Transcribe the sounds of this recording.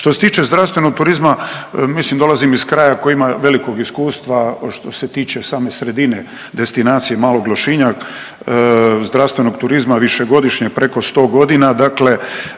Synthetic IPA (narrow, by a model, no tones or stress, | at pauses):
ʃt̪o̞set̪iːt͡ʃe̞zd̪ɾaʋst̪ʋe̞no̞ɡ̚t̪uɾizmamislimd̪o̞lˠazimiskɾaːjako̞jimaʋe̞liko̞ɡiskuːst̪ʋaʃt̪o̞set̪iːt͡ʃe̞saːme̞sɾe̞d̪ine | d̪e̞st̪inaːt̪sijemaːlˠo̞ɡlˠoʃiɲa | zd̪ɾaʋst̪ʋe̞no̞ɡt̪uɾizmaʋiʃe̞ɡo̞d̪iʃɲepɾe̞ko̞st̪o̞ːɡo̞d̪inad̪akle̞